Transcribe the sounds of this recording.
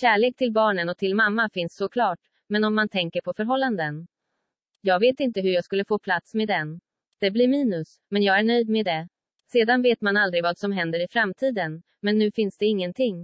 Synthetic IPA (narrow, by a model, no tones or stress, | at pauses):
ɕæːɭeːk̚t̪ʰɪlbɑːɳənɔt̪ʰɪlmamːafɪnsːɔkʰlɑːʈ | mɛnɔmːant̪ʰɛŋkəɾpʰɔfœɾɦɔlːand̪ən | jɑːɡveːt̪ɪnt̪əɦɵjɑːɡskɵlːəfoːpʰlat̪smeːd̪ɛn | d̪̥ɛblɪɾmiːnɵs | mɛnjɑːɡæɳœjd̪meːd̪ɛ | seːd̪anveːt̪manald̪ɾɪɡvɑːd̪sɔmɦɛnd̪əɾɪfɾamt̪ʰiːd̪ən | mɛnːʉ̟ːfɪnsd̪ɛɪŋːənt̪ʰɪŋː